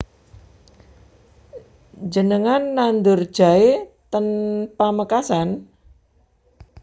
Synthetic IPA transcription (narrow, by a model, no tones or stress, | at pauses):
d͡ʒənəŋanːand̪ʊrd̥ʒ̥a̤et̪ənpaməkasan